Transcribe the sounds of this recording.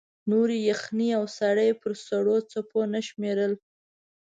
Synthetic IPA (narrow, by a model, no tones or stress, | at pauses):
noɾijaxniawsaɽəjpəɾsaɽot͡saponaʃmeɾəl